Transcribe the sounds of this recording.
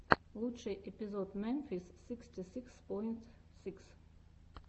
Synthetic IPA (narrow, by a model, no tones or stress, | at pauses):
lˠut͡ʃɛjʔɛpizɔt̪mɛnfisːikst̪isikspɔjnt̪siks